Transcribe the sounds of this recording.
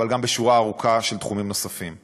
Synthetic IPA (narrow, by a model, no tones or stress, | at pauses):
valɡambeʃuʁaːʁukʰaʃelt̪χumimno̞safim